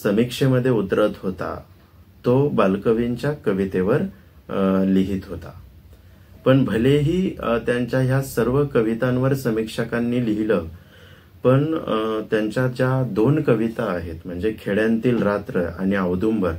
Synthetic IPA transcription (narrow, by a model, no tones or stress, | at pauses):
səmikʂeməd̪ʱːjeut̪ɾət̪ɦot̪a̰ | t̪obalkəʋiɲt͡ɕjakəʋit̪eʋəɾ | liɦiːt̪ɦot̪a̰ | pəɳbʱəleɦiːt̪jaɲt͡ɕjaɦjasəɾʋəkəʋit̪ãnʋəɾsəmikʂəkanːiːliɦilə | pəɳt̪jaɲt͡ɕjad͡ʑjad̪onkəʋit̪aːɦet̪m̤əɳd͡zekʰeɭjant̪iːlɾat̪ɾəa̰ɽ̃iəʋd̪umʋəɾ